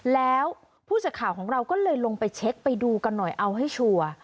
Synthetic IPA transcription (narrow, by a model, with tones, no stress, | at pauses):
lɛː˦˥w | pʰuː˥˩t͡ɕa˨˧˩kʰːaː˨˩˦wkʰɔː˩˦ŋɾa˧wkɔː˥˩lɤː˧jlo˧ŋpa˧jt͡ɕʰe˦˥k̚pa˧jduː˧ka˧nːɔ˨˩jʔa˧wɦa˥˩jt͡ɕʰu˧ɐ